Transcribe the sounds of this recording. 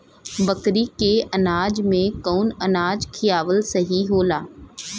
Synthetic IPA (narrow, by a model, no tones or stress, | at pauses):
bəkɾikeʔɐnaːd͡ʒmẽkoːnɐnaːd͡ʒkʰɪjaːʋəlsɐɦiɦoːlaː